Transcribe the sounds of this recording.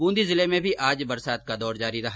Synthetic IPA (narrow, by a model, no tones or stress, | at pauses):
bũːnd̪izɪlemẽbʱiʔaːd͡ʒbɐɾsaːt̪̚kad̪ɔːɾd͡ʒaːɾiɾɐɦa